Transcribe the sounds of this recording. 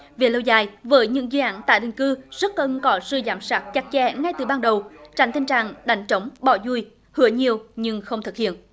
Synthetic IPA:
ve˨˩lo˧wzaː˨˩jvəː˨˦jɲɨ̰˧˥ŋzɨː˧ʔaː˧˨˥nt̪a̰ː˧˨jɗï˨˩ŋ̟kɨ˧z̥ə˦˥t̚kə˧˩nkɔ˨˦zɨ˧zaː˨˦msaː˦˥k̚t͡ɕa˨˥k̚t͡ɕɛ̰˧˥ŋa˧jt̪ɨ˨˩ɓaː˧nɗə˨˩wt͡ɕa̰˧˩jŋ̟t̪ʰi˧ŋ̟t͡ɕa̰ː˧˩ŋɗa˨˩jŋ̟t͡ɕə˨˦wŋ͡mɓɔ˧˩zu˧j | hɨ̰˧˦əɲi˨˩əwɲɨ˧ŋxə˧wŋ͡mt̪ɨ˨˩k̚hḭ˧˨ən

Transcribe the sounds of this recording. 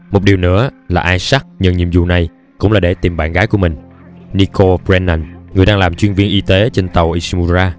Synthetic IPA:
mo˨˩t̚ɗi˨˩wnɨ̰˧˥əlaː˨˩ʔaː˧jsa˦˥t̚ɲɨ̰˧˨ŋɲḭ˧˨əmzṵ˨na˨˩j | kʊ̰˧˥ŋ͡mlaː˨˩ɗe˧˩t̪i˨˩mɓaː˧˥nɣaː˨˦jku˧˩əmï˨˩ŋ̟ | ni˧ko˧bzɛ˧nːa˧nŋɨ˨˩əjɗaː˧ŋlaː˨˩mt͡ɕwi˧ənvi˧ənʔi˧t̪e˨˦t͡ɕe˧nt̪ə˨˩wʔi˧˩smu˧zaː˧

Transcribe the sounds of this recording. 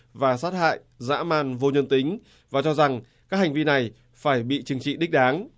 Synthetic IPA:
vaː˨˩saː˦˥t̚ha̰ː˧˨j | za̰ː˧˥maː˧˩nvo˧ɲə˧nt̪ï˨˦ŋ̟ | vaː˨˩t͡ɕɔ˧za˨˩ŋkaː˦˥k̚ha˨˩ŋ̟vi˧na˨˩j | faː˧˩jɓḭ˧˨t͡ɕɨ˨˧˦ŋt͡ɕḭ˧˨ɗi̟˦˥ɗaː˨˦ŋ

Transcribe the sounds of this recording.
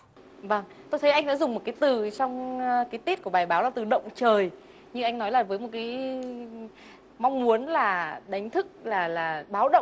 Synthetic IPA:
və˧ŋ | t̪o˧jt̪ʰə˨˦jʔa˧jŋ̟ɗa̰ː˧˥zʊ˨˩ŋ͡mm˨˩t̚kaː˨˦jt̪ɨ˨˩t͡ɕɔ˧wŋ͡mkaː˨˦jt̪i˦˥t̚ku˧˩əɓaː˨˩jɓaː˨˦wlaː˨˩t̪ɨ˨˩ɗə̰˧˨wŋ͡mt͡ɕəː˨˩j | ɲɨ˧ŋʔa˧jŋ̟nɔ˨˦jlaː˨˩vəː˨˦jmo˨˩t̚kaː˨˦j | ma˧wŋ͡mmu˨˦ənlaː˨˩ɗa˨˦jŋ̟t̪ʰɨ˦˥k̚laː˨˩laː˨˩ɓaː˨˦wɗə̰˧˨

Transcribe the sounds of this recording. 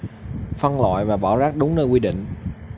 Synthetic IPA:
fə˧nla̰ː˧˨jvaː˨˩ɓaː˧˩wzaː˦˥k̚ɗʊ˨˦ŋ͡mnəː˧jkwi˧ɗḭ̈˧˨ŋ̟

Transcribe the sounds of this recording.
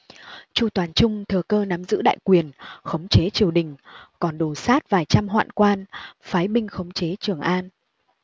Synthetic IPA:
t͡ɕu˧˩t̪waː˨˩nt͡ɕʊ˧ŋ͡mt̪ʰɨ˨˩əkəː˧na˨˦mzɨ̰˧˥ɗa̰ː˧˨jkwi˨˩ənxə˨˦wŋ͡mt͡ɕe˨˦t͡ɕi˨˩əwɗï˨˩ŋ̟kɔ˨˩nɗo˨˩saː˦˥t̚vaː˨˩jt͡ɕa˧mɦwa̰ː˧˨nkwaː˧nfaː˨˦jɓï˧ŋ̟xə˨˦wŋ͡mt͡ɕe˨˦t͡ɕɨ˨˩əŋʔaː˧n

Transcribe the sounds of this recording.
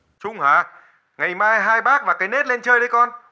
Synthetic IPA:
t͡ɕʊ˧ŋ͡mhaː˨˩ | ŋa˨˩jmaː˧jɦaː˧jɓaː˦˥k̚vaː˨˩kaː˨˦jne˦˥t̚le˧nt͡ɕəː˧jɗə˨˧jkɔ˧n

